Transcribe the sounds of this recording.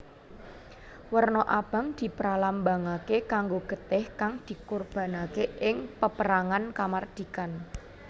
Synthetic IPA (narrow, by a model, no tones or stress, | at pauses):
wərnɔʔab̥a̤ŋd̪̥i̤pɾalambaŋakekaŋɡoɡ̥ə̤t̪ɪhkaŋd̪̥i̤kurb̥a̤nakeʔɪŋpəpəɾaŋankamard̪̥i̤kan